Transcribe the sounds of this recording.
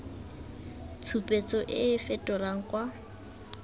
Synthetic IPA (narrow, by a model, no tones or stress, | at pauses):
t͡sʰupʼet͡sʼɔʔɪːfɛtʼɔlaŋ̩kwa